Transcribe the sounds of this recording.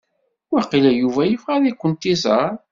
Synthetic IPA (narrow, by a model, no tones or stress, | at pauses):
wæqːilæjuvæjəfʁæðikʷːənt̪izˤəɾˤ